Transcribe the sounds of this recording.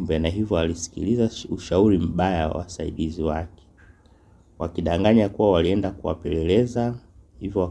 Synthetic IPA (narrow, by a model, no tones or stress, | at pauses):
bɛnaɦivjɔalisi̥kḭlizauʃauɾim̩ɓajawa̰wasaḭɗiziwakɛ̥ | wakiɗaŋɡaɲakuwawaliɛndakuwa̰pɛlɛlɛza | hivjɔwa